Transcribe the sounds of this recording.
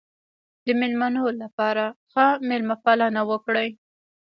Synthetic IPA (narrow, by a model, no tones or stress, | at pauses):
d̪əmɪlmanolapɑɾaxamɪlmafalɑnawəkɽaj